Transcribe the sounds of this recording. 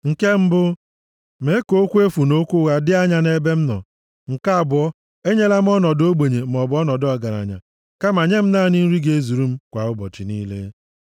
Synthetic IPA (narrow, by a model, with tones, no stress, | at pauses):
ŋ̩˨ke˦m̩˦bʊ˦ | me˨˦ko˦kʷu˦e˦fu˨no˦kʷu˦ɣa˦dɪ˦a˦ɲa˦ne˦be˦m̩˦nɔ̰˨ | ŋ̩˨ka˦a˨bʊ˨ɔ˦ | e˦ɲe˦la˦m̩˦ɔ˦nɔ˨do˦ɡ͡be˨ɲe˨m̩˨ɔ˨bɔ˦nɔ˨dɔ˦˨ɡa˨ɾa̰˨ɲa̰˨ | ka˦ma˨ɲe˦m̩˦na˦˨ni˦n̩˦ɾi˦ɡe˦e˦zu˨ɾu˦m̩˦kʷa˨ʊ˦bɔ̰˨t͡ʃɪ˨niː˦lḛ˦